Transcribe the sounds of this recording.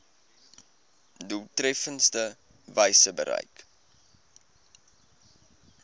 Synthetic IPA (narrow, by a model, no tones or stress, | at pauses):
dultrɛfənstə | vəjsəbə̰ɾə̰jk